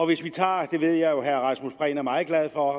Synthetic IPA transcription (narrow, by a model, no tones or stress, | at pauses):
ɒ̽ʋe̝sʋit͡sʰɑ̰̈ːd̥e̝ʋe̝ð̞̰ˠjɑ̈ɪjo̝ɦæɐʁɑ̈smusb̥ʁɛ̰ːnæɐmɑ̈ːð̩ˠɡ̥læð̞ˠfɒ